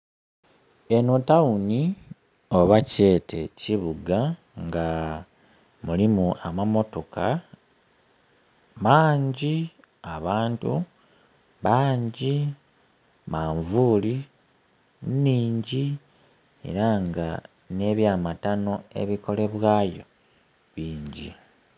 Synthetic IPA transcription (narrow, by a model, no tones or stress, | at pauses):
e̞notauni | o̞βace̞ːtʰe̞̰ciβuɡa | ŋɡa | mulimuʔamamo̞to̞kʰa | maːɲɟi | aβaːntu | βaːɲɟi | maːɱvuːli | niːɲɟi | e̞̰ɾaŋɡa | ne̞ːβjaːmatano̞e̞̰βiko̞le̞βwaːjo̞ | βiːɲɟḭ